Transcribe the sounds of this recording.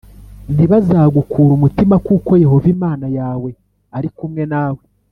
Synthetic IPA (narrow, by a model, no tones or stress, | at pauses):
n̥iβazaːɡukʰuːɾumutimakuːko̞je̞ho̞vimaːnajaːwe̞ | aɾikumŋe̞naːwe